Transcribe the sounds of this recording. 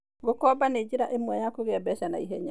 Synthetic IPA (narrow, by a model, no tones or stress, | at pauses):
ɡokɔbaned͡ʒiɾaʔemwajakoɣɛbɛʃana̰iɦɛ̰ɲa